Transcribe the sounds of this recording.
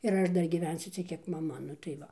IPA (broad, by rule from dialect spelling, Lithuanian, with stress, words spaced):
ɪr ˈɐʃ ˈdɐr ɡʲiːˈʋʲɛnʲsʲʊ ˈt͡sʲiɛk ˈkʲiɛk mɐˈmɐ nʊ tɐɪ ˈʋɐ